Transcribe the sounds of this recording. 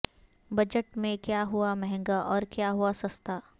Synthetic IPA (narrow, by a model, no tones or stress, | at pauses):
bɐd͡ʒəʈmẽkjaːɦuamɛɦɛ̃ŋɡaʔɔːɾkjaːɦuasɐst̪aː